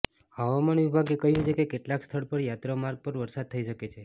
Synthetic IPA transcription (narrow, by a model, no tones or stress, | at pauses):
həʋamanʋibʱaɡekəɦiɦət͡ʃʰekekeʈlakst̪ʰəɭpəɾjat̪ɾamaɾɡ̚pəɾʋəɾsad̪̚t̪ʰəiʃəket͡ʃʰe